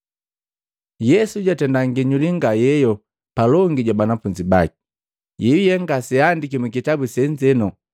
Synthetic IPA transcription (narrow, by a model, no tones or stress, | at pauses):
jɛsuɟatɛndaŋɡiɲuliŋɡajɛjɔ | palɔŋɡiɟwabanafuɲd͡ʒibaki̥ | jɛujɛŋɡasiandikimukitabusɛɲd͡ʒɛnɔ